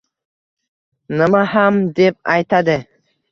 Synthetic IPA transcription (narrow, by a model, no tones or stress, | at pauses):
nɨmahamd̪ep̚ajt̪ʰad̪ɪ